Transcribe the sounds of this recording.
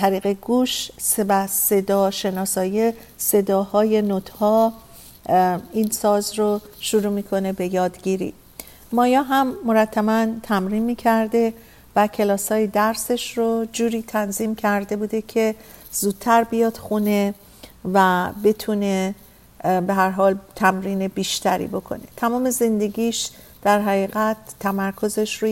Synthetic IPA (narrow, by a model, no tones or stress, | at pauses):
t̪ʰæɾiːɣeɡuːʃsebæse̞d̪ɒːʃe̞nɒːsɒːje | se̞d̪ɒːhɒːje̞not̪ʰhɒː | iːnsɒːzɾoʃuɾuːmiːkʰo̞ne̞be̞jɒːd̪ɟiɾḭː | mɒːjɒːɦæmːoɾæt̪ʰːæbænt̪ʰæmɾiːnmiːcʰæɾd̪e̞ | væcʰe̞lɒːsɒːjed̪æɾse̞ʃrod͡ʒuːɾiːt̪ʰænziːmcʰæɾd̪e̞buːd̪e̞cʰe̞ | z̥uːd̪̥̚t̪ʰːæɾbijɒːd̪̥xune̞ | væbe̞t̪ʰune̞ | be̞ɦæɾɦɒːlt̪ʰæmɾiːne̞biːʃt̪ʰæɾḭbo̞kʰo̞̰ne̞t̪ʰæmɒːme̞ze̞nd̪e̞ɡiːʃd̪̥æɾɦæɣiːɣæt̪ʰːæmæɾkʰo̞ze̞ʃɾu